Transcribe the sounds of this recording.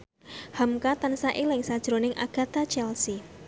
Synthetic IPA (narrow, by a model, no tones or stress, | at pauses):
hamkat̪ansaʔilɪŋsad̥ʒ̥ɾonɪŋʔa̰ɡ̥a̤t̪at͡ʃɛlsi